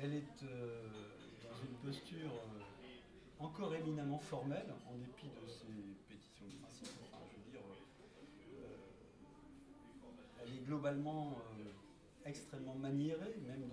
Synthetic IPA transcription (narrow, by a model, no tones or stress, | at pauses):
ɛlɛt̪ø | d̪ɑ̃zynpɔst̪yʁø | ɑ̃kɔʁeminamɑ̃fɔʁmɛlɑ̃d̪epid̪əsepet̪i̥sjɔ̃d̪əpχɛ̃sipɔkɔʒəd̪iʁø | ø | ɛlɛɡlɔbalmɑ̃ø | ɛkst̪χɛmːɑ̃manjeʁemɛm